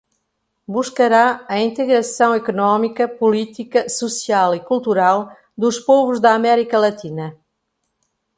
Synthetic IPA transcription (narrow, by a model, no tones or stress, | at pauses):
buʃkɐɾaɐĩnt̪ɨɣɾɐsɐ̃w̃ekunɔmikɐpulˠit̪ikɐsusialˠikulˠt̪uɾalˠ | d̪uʃpɔvuʒd̪ɐːmɛɾikɐlˠɐt̪inɐ